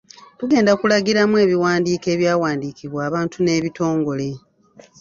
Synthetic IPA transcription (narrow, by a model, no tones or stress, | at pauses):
tuɡe̞ːndakulaɡiɾamue̞ːβiwaːndiːke̞ːβjaːwaːndiːkiβwaːβaːntʰune̞ːβito̞ːŋɡo̞le̞